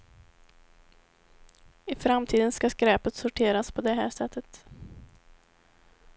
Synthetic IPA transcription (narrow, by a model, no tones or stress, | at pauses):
ɪfɾamt̪ʰiːd̪ənskaskɾɛːpət̪sʊʈʰeːɾaspʰɔd̪ɛɦæːʂɛt̪ʰːət̪